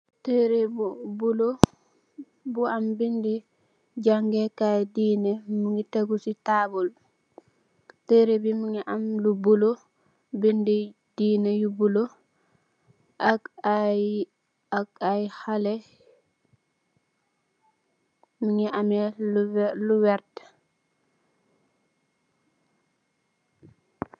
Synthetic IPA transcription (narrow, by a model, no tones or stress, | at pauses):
teɾebubulo | buambindi | d͡ʒaŋɡɛkajdiːnɛmiŋiteɡusitabul | teɾebimiŋɛʔamlubulo | bindi | d̥iːnɛjubulɔ | ʔaka | akajhalɛ | miŋɛʔamɛ | luwɛɾt